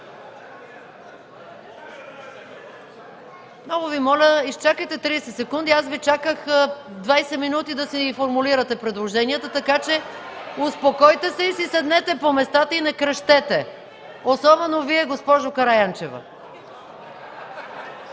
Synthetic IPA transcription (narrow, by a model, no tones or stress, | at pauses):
mnɔɡʊvimɔlʲəist͡ʃakəjt̪ɛt̪ɾiːsɛt̪sɛkund̪iasvit͡ʃakəxd̪vajsɛminut̪id̪ɐsifoɾmuliɾət̪ɛpɾɛd̪lˠoʒɛniət̪ət̪ɐkat͡ʃɛʊspokɔjt̪ɛsɛisisɛd̪nɛt̪ɛpomɛst̪at̪əinɛkɾɐʃt̪ɛt̪ɛ | osɔbɛnoviɛɡospɔʒokɐɾajant͡ʃɛvə̰